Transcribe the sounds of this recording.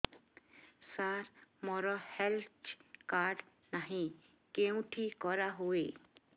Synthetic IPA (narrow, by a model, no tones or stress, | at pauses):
saɾmɔɾɔhelt͡ʃkaːɾɖ | naɦĩ | keũʈʰikɔɾaɦoe